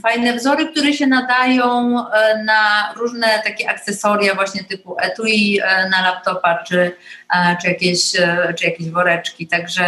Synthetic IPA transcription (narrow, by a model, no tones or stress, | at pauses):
fajnɛvzɔɾɘkt̪uɾɛɕɛnad̪ajɔ̃w̃naɾuʐnɛt̪akʲɛʔak̚t̪sɛsɔɾjavwaɕɲɛt̪ɘpuʔɛt̪uinalap̚t̪ɔpat͡ʂɘ | t͡ʂɨjakʲeɕt͡ʂɨjakʲeʑvɔɾɛt͡ʂkʲit̪aɡʐɛ